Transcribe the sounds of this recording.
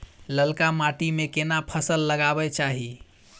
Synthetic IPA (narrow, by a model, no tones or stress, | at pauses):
ləlkamaʈimekenapʰəsəlːəɡabɛt͡ʃaɦi